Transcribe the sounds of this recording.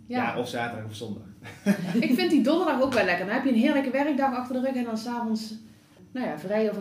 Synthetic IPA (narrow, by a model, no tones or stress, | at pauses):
jaaɔfsaːtədɑɣɔsɔndɑxɪkfɪntdidɔndərdɑxokʋɛlɛkərdɔnɦɛpjəənɦɪːrləkəʋɛrəɡ̚dɑxɑxtərdərøxɛndɑnsaːvɔns | nawjavrɛjɔf